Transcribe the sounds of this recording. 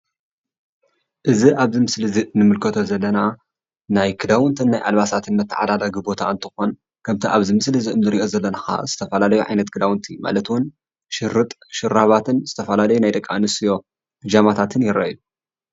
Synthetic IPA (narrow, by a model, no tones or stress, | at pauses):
ʔɨziʔaβzɨmɨslɨzinɨmɨlkʰɐt̪ʰo̞zɐlːɐna | najkʰɨd̪awɨnt̪ʰɨnːajʔa̰lβasat̪ʰɨnmɐt̪ʰːɨʕa̰d̪ad̪ɐɡɨbo̞t̪ʰaɨnt̪ʰɨxo̞n | kʰɐmt̪ʰiʔaβzɨmɨslɨziɨnnɨɾiʔo̞zɐlːɐnaxa̰z̥ɨt̪ʰɐfɐlalɐjuʕa̰jnɐt̪kʰɨd̪awɨnt̪ʰima̰lɐt̪wʊn | ʃɪɾɨt̪ʼʃɨɾːaβat̪ʰɨnz̥ɨt̪ʰɐfɐlalɐjunajd̪ɐkʼːa̰nɨsijo̞ | d͡ʒamat̪ʰat̪ʰɨnjɪɾɐ̰ju